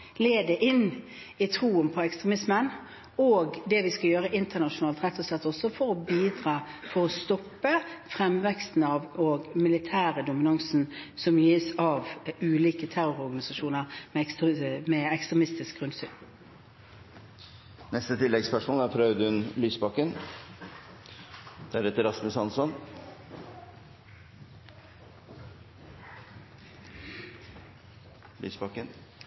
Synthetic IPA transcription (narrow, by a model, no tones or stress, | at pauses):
leːd̪əʔɪn | ɪt̪ʰɾuːənpʰɔɛkst̪ɾɛmɪsmən | oːɡd̪ɛʋɪskɑjøːɾəʔɪnt̪ənɑʂʊnɑːlt̪ʁɛt̪ʰːɔslɛt̪ːɔsːɔfɔɾɔbiːd̪ʁɑːfɔɾɔst̪ɔpːəfʁɛmʋɛkst̪n̩ɑʋoɡmɪlɪt̪ʰæːɾəd̪ʊmɪnɑŋsnsɔmjiːsɑʋʉːliːkət̪ʰæɾʊɾɔɾɡɑnɪsɑʂuːnəɾmɛmɛːɛkst̪ʁɛmɪst̪ɪsk̚ɡ̥ʁʉnsyːn | nɛst̪ət̪ʰɪlːɛɡspæʂuːnæɾpʰɾœʉd̪əʉnlyːsbɑkːən | d̪̥æɾɛt̪ːəɾɑsməsɑnsɔn | ly̰ːsbɑkːən